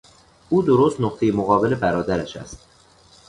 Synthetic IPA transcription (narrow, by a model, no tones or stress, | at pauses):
uːd̪oɾost̪noqt̪ʰejemoɣɒːbe̞le̞bæɾɒːd̪æɾæʃæ̰st̪̚